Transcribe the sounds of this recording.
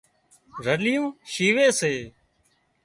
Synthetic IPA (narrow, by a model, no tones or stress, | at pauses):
ɾəlijũːʃiːʋeːseː